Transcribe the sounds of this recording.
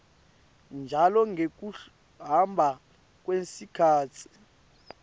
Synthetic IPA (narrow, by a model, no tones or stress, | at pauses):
nd͡ʒʱalɔŋɡʱek̬ʼu | ɦambʱa | k̬ʼwesikʰaːt͡sʰi̥